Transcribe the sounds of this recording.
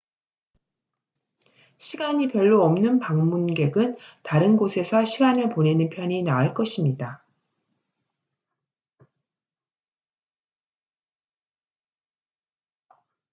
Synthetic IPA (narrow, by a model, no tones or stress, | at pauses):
ɕʰiɡaɲipjʌɭːoʌmnɯnpaŋmunɡe̞ɡɯntaɾɯnɡosʰe̞sʰʌɕʰiɡanɯɭpone̞nɯnpʰjʌɲinaaɭk͈ʌɕʰimɲida